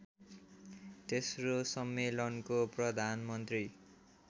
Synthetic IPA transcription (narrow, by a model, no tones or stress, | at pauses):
t̪esrosʌmːelʌnkoprʌd̪ʱanmʌnt̪ri